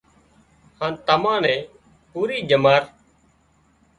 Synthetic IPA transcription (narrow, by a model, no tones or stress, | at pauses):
hãːnt̪əmãːnɛ̃ː | puːɾiːd͡ʒəmaːɾ